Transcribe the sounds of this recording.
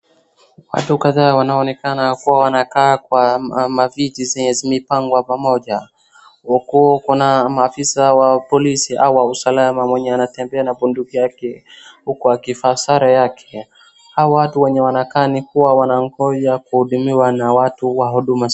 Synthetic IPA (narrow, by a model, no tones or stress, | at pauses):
wa̰tukaðaːwanaɔnɛkanakuwawanakaːkwamavitizɛɲɛzimipaŋɡwapamɔʄa | ɔkuɔkunamaːfisawapɔlisiʔauwausalamamwɛɲɛanatɛmbɛanapundukijakɛhukɔakifasaɾajakʰɛ̥ | haɔwatuwɛɲɛwanakaːnikuwawanaŋɡɔʄakuhuɗumiwanawatuwaɦuɗuma